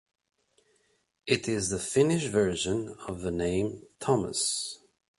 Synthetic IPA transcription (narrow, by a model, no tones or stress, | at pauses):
ʔɪɾɪzðəfɪ̃nɪʃvɜ˞ʒɨ̃nʌvðənẽɪ̃mtʰɑmə̰s